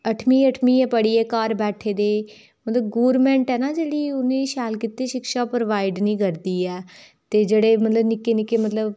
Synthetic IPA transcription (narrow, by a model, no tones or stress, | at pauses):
əʈʰmiːəʈʰmiːɛːpəɽiːɛːkaːɾbɛːʈʰeːd̪eː | mət̪ləbɡoːɾmɛ̃ːɳʈɛːnaːd͡ʒeːɽiːʊnẽːʃɛːlkiːt̪eːʃɪkʃaːpɾoʋaːɪɖnĩːkəɾd̪iːɛː | t̪eːd͡ʒeːɽeːmət̪ləbnɪkːeːnɪkːeːmət̪ləb